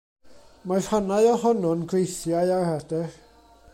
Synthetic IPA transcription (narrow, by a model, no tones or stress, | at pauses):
marhanaɨɔɦɔnɔnɡwejθjajarhɛdɛ